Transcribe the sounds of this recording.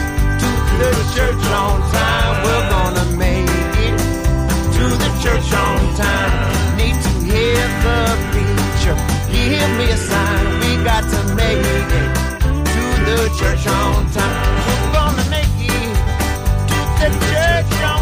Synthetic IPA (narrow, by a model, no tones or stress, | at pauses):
tʰɨt͡ʃʰɜ˞t͡ʃlɔ̃ŋtʰãɪ̃mwɪɡʌnəmeɪ | kɨt | tʰɨðɨt͡ʃʰɜ˞t͡ʃlɔ̃ŋtʰãɪ̃m | nid̚tʰɨhɪ | ðə | fi | t͡ʃə˞ | jɨhɪmiɨsãɪ̃nwiɡɑtʰɨmeɪkkɪ̃n | tʰɨðət͡ʃʰɜ˞t͡ʃɔtʰãɪ̃soɡʌnɨmeɪkɪ | tʰɨðɨt͡ʃʰɜ˞t͡ʃ